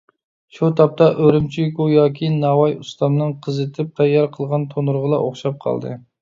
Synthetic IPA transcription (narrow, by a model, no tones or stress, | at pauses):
ʃut̪ʰɑp̚t̪ʰɑʔøɾɪmt͡ʃʰijkujɑːkʲʰinɑwɑjust̪ɑmnɨŋqʰəzɨt̪ʰɪp̚t̪ʰɛjːɑɾqʰəlˠʁɑnt̪ʰonuɾʁəlˠɑʔoχʃɑp̚qʰɑ̰lˠd̪ɨ̰